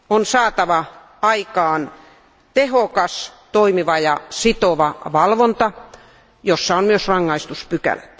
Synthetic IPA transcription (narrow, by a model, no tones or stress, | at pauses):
onsɑːt̪ɑʋɑ | ɑikɑːn | t̪ehokɑst̪oimiʋɑjɑsit̪oʋɑʋɑlʋont̪ɑ | josːɑonmyøsrɑŋːɑist̪uspykæ̰læt̪